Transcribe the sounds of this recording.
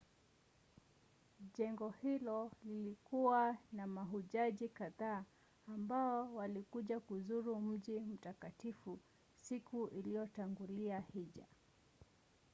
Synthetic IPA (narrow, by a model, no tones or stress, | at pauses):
ʄɛŋɡɔhilɔlilikuwanamaɦuʄaʄikaðaː | mbaɔwalikuʄakuzuɾum̩ʄim̩takatifu | sikuʔilijɔtaŋɡuliahiʄa̰